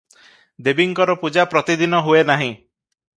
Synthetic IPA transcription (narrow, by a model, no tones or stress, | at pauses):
d̪ebiŋkɔɾɔpud͡ʒapɾɔt̪id̪inɔɦuenaɦĩ